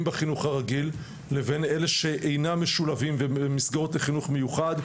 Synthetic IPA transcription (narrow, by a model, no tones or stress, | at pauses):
mbeχinuχaʁaɡilː | eve̞nele̞ʃe̞ʔejnameʃulavimveemisɡaotleχinuχme̞juχad̪